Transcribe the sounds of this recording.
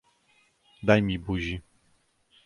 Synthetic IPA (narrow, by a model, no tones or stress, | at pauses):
d̪ajmʲibuʑi